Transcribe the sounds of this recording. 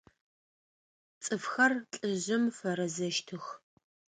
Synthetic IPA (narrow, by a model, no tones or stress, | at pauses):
t͡sʼɨfxɐrt͡ɬʼɨʑɐmfɐɾɐzɐʃtʰɨx